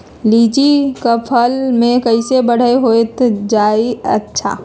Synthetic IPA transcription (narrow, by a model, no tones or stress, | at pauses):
liːd͡ʒikəpʰəlmẽkəɪsebəɽ̤eɦoet̪d͡ʒaːiə̰tːʃʰa̰ː